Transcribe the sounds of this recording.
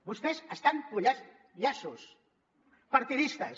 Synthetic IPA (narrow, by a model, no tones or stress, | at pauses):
bust̪ezəst̪aŋkuʎa | ʎasus | paɾt̪iðist̪əs